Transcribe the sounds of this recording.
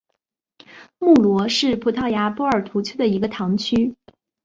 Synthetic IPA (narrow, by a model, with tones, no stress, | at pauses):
mu˥˩lwɔ˧˥ʂɻ̩˥˩pʰu˧˥t̪ʰɑ˥˩ʊja˧˥pwɔ˥ə˞˨˩t̪ʰu˧˥t͡ɕʰjo˥ʊd̪ə˨i˧˥ɡə˧t̪ʰɑ˧˥ŋt͡ɕʰy˥